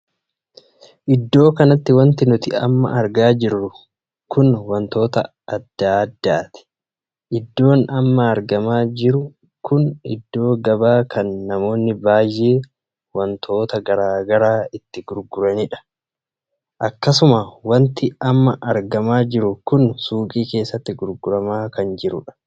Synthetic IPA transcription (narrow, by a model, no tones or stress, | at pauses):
ʔɪd̪ːo̞ːkɐnɐt̪ːɪwɐnt̪ɪnʊt̪ɪɐ̰mːɐ̰ʔɐɾɡaːd͡ʒɪrːʊ | kʊnwɐnt̪o̞ːt̪ɐ̰ | ɐd̪ːaːɐd̪ːaːt̪ɪ̥ | ʔɪd̪ːo̞ːnɐmːɐːɾɡɐmaːd͡ʒɪɾʊ | kʊnɪ̰d̪ːo̞ːɡɐbaːkʰɐnːɐmo̞ːnːɪbaːjːeː | wɐnt̪ʰo̞ːt̪ɐɡɐɾaːɡɐɾaːɪt̪ːɪɡʊɾɡʊɾɐnɪᶑɐ̥ | ʔɐkːɐsʊmɐwɐnt̪ɪɐmːɐʔɐɾɡɐmaːd͡ʒɪɾʊkʊnsuːkʼiːke̞ːsːɐt̪ːɪɡʊɾɡʊɾɐmaːkɐnd͡ʒɪɾʊ̰ᶑɐ̥